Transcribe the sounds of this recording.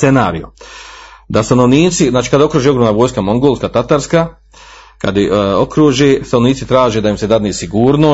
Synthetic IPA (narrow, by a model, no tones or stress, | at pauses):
enaːɾḭjo | d̪ast̪ano̞ʋniːt̪sizaːt͡ʃi̥kad̪ao̞kɾuːʒeo̞ɡɾomnaʋoːjskamo̞ŋɡoːlˠskat̪at̪aɾska | ka̰d̪jeokɾuʒest̪ano̞ʋniːt̪sit̪ɾaːʒed̪ajimsed̪ad̪nisiɡuːɾno